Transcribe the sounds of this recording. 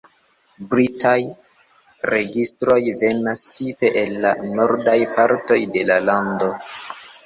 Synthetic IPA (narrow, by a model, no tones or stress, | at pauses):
bɾitʰaj | ɾe̞ɡistɾo̞jve̞nastipe̞ʔelːa̰no̞ɾdajpaɾto̞jde̞lalando̞